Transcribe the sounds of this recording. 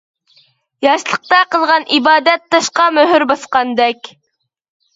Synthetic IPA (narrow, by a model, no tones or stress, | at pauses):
jɑʃlˠəq̚t̪ɑqəlˠʁɑnʔibɑːd̪ɛt̪ʰːɑʃqɑmøɦyɾbɑsqɑnd̪ɛkʲ